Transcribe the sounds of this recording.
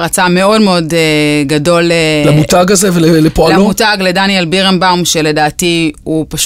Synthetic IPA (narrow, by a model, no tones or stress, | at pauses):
ʁat͡same̞o̞dmeo̞deɡado̞lelamutaɡazevelelepoalalmutaɡledanjelbiʁembawmʃe̞le̞daːtiupaʃ